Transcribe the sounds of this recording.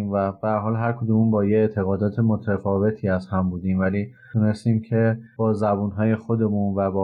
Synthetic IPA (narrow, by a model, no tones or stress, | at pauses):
mvæb̥eæɾɦɒːlɦæɾkʰod̪umunbɒːjeet̪ʰe̞ɣɒːd̪ɒːt̪ʰe̞mo̞t̪ʰæfɒːve̞t̪ʰiːæzhæmbuːd̪iːmvæliː | d̥̪uːne̞st̪iːmcʰe̞b̥ɒːzæbunɦɒːje̞xo̞d̪e̞munvæbɒː